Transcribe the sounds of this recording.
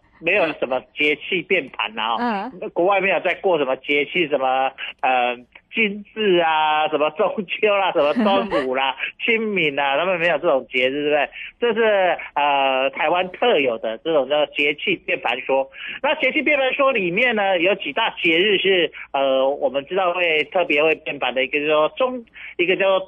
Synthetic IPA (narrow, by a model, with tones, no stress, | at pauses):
me˧˥ɪjo˨˩ʊʂə˦nmə˧t͡ɕjɛ˧˥t͡ɕʰi˥˧pjɛ˥˩npʰa̰˨˥na˦ɔ˥˧kwɔ˧˥wa˥˧ɪmjɛ˥˧jo˨˩ʊt͡sa˥˧ɪkwɔ˥˩ʂə˧˥nmə˧t͡ɕjɛ˧˥t͡ɕʰi˥˩ʂə˧˦nmə˧ə˩t͡ɕi˥nt͡sɹ̩˥˩a˩ʂə˧˦nmə˧t͡so˥˦ŋt͡ɕjo˥ʊla˨ʂə˧˦nmə˧twa˦˥nu˨˩la˦t͡ɕʰi˦˥nmi˨˥na˨t̪ʰa˥mə˨nme˧ɪjo˨˩ʊʈ͡ʂə˥˩ʈ͡ʂʊ˨˩ŋt͡ɕjɛ˧˥ɻ̩˥˩t̪wbd̪ɪʈ͡ʂɤ˥˧ʂ̬ɻ̩˥˩ə˧t̪ʰa˧˥ɪwa˥˦nt̪ʰɤ˥˩jo˨˩ʊd̪ə˦ʈ͡ʂɤ˥˩ʈ͡ʂŋt͡ɕjɑ˥˧ʊt͡s̬ɔ˥˩t͡ɕjɛ˧˥t͡ɕʰi˥˧pjɛ˥˩nfa˧˥nʂwɔ˥na˥˩t͡ɕjɛ˧˥t͡ɕʰi˥˧p̬jɛ˥˩nfa˧˦˥nʂwɔ˥li˨˩mjɛ˥˩nə˩jo˧˥ʊt͡ɕi˨˩t̪a˥˩t͡ɕjɛ˧˥ɻɻ̩˥˧ʂɻ̩˥˩ə˧wɔ˨˩mə˦nʈ͡ʂɻ̩˥t̪ɑ˥˧ʊxwe˥˧ɪt̪ʰɤ˥˩pjɛ˧˥xwe˥˧ɪpjɛ˥˩nfa˨˥nd̪ə˩i˧˥ɡə˧t͡ɕjʊt͡swɔ˥˩ʈ͡ʂʊ˥ŋi˧˥ɡə˧t͡ɕjɑ˥˧ʊt͡sɔ˥˩